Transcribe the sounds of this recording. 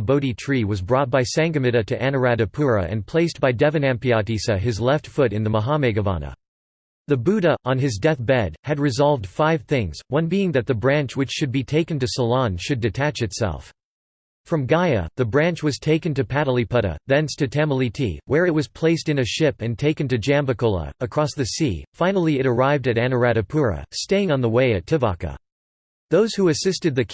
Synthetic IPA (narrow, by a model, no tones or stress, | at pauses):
boʊɾitʰɹ̥iwʌzbɹɔt̚b̥aɪsæ̃ŋɡɨmɪɾɨɾɨʔæ̃nə˞æɾɨpʰʊɹɨ̰ʔɨ̰̃npʰl̥eɪsb̥aɪdɛvɨ̃næ̃mpiɑdisɨɨzlɛftfʊɾɨ̃nðəməɦɑmɛɡɨvɑ̰nə̰ | ðɨbʉɾəʔə̃nɨzdɛθb̥ɛd̥̚ɨd̚ɹɨzɑlˠvd̥faɪv̥θɪ̃ŋz̥wʌ̃nbiɪ̃ŋðɨt̪̚ðɨbɹæ̃nt͡ʃwɨt͡ʃʃɨd̚bitʰeɪkɨ̃n̩tɨsəlɑ̃nʃɨdɨtʰæt͡ʃɨtsɛ̰lˠf | fɹʌ̃mɡaɪɨ̰ðɨbɹæ̃nt͡ʃwʌz̥tʰeɪkɨ̃ntɨpʰæɾl̩ˠipʰʌɾɨ̰ðɛ̃nstʰɨtʰɛ̃məlˠitʰḭwə˞ɨt̚wʌz̥pʰl̥eɪstɨ̃nɨʃɪpɨ̃ntʰeɪkɨ̃ntɨd͡ʒæ̃mbɨkolˠə̰əkʰɹ̥ɔsðɨsḭfãɪ̃nl̩ˠiɨɾə˞aɪvdɨɾænə˞æɾɨpʰʊɹɨ̰steɪɪ̃ŋə̃nðəweɪɨtʰɨvɑ̰kɨ̰ | ðoʊz̥huɨsɪstɨd̪̚ðɨ